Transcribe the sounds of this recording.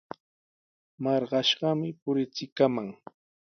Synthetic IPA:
mɑɾɢɑʃɢɑmɪpʊɾɪt͡sɪkamaŋ

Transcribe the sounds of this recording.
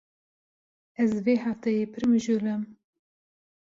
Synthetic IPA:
ɛzveːhaft̪ɛjeːpʰɨɾmɨʒulɨm

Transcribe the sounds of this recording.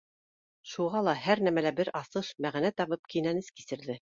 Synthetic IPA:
ʃuʁɑlˠɑɦæɾnæmælæbɘɾʔɑsɤʃmæʁnæt̪ɑβɤp̚kinænɘskisɘ̆ɾðɘ

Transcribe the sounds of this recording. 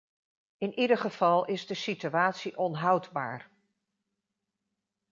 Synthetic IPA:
ɪnʔidəχəv̥ɑlˠɪzdəsityaːtsiʔɔnɦʌwdba̰ːɹ

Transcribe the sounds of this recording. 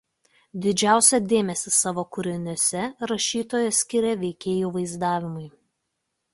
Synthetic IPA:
d̪ʲɪd͡ʒʲæˑʊsʲɛd̪ʲeːmʲɛsʲɪsɑːʋoːkʊɾʲɪnʲosʲɛɾɐʃʲiːt̪oːjɛsʲkʲɪɾʲɛʋʲɛɪkʲeːjuːʋɐɪzd̪ɑːʋʲɪmʊɪ

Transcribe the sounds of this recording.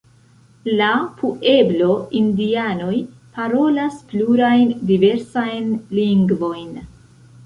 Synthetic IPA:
lapuʔe̞blo̞indiano̞j | paɾo̞laspluɾajndive̞ɾsajnliŋɡvo̞jn

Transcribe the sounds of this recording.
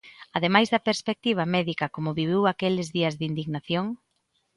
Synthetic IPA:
ɐðemajzðɐpeɾspek̚t̪iβ̞ɐmɛðikɐkomʊβiβ̞iwakelɪzðiɐzðind̪iɣnaθjoŋ

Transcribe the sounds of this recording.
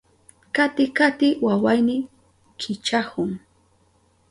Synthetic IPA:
kat̪ɪkat̪ɪwawajnɪ | kʰɪt͡ʃahʊŋ

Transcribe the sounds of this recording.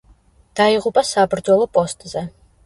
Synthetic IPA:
d̥aːjiʁʊpʼɐsaːbɨrdolˠɐpʼostʰʼɨzɐ

